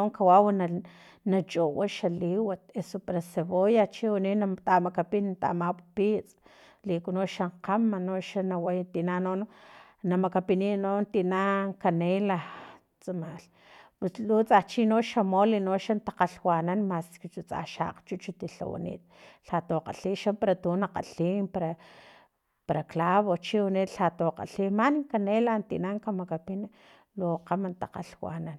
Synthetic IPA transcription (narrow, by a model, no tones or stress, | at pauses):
ŋkawawan | nat͡ʃʼowaʃaliwat̪esopaɾaseβojat͡ʃiwuninat̪amakapint̪a̰mappit͡sʼ | likunoʃaɴqamːanoʃanawajt̪inanon | namakapininont̪inaŋkanela | t͡sʼamal | puslut͡sʼat͡ʃinoʃamolinoʃant̪ḁqaɬwananmaskit͡ʃut͡sʼa̰ʃa̰qt͡ʃut͡ʃut̪iɬa̰wa̰nḭːt̪̚ɬat̪oqa̰ɬiʃampaɾat̪unaqa̰ɬimpaɾa | paɾaklaβot͡ʃiwaniːt̪ɬat̪oqa̰ɬimaniŋkanelant̪ḭʔnaŋkamakapin | loqamant̪aqa̰ɬwa̰nan